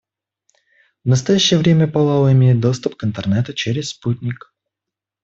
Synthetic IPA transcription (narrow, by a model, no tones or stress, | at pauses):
vnəst̪ɐjæɕːɪjəvɾʲemʲəpɐlˠalˠɪmʲejɪt̪̚d̪o̞st̪ʊpkɨnt̪ərnɛt̪ət͡ɕeɾʲɪssputʲnʲɪk